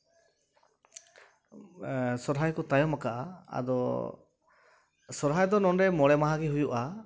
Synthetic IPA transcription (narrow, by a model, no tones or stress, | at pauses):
sɔɾɦajkɔt̪ajɔmakaʔa̰a̰d̪ɔ | sɔɾɦajd̪ɔnɔnɾɛmɔɽɛmaɦaɡiɦujuʔa